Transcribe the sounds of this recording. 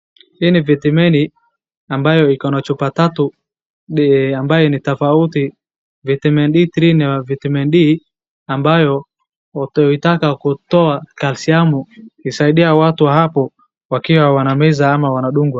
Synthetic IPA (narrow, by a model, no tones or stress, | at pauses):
hinivɛtimɛni | ambajɔikɔnat͡ʃupatatu | ɗambajɛnitafauti | vitimɛnɗiθɾiniavitimɛnɗi | ambajɔ | itakakutɔakalsiamuisaiɗiawatuwaɦapɔ | wakiwawanamɛzaamawanaɗuŋɡwa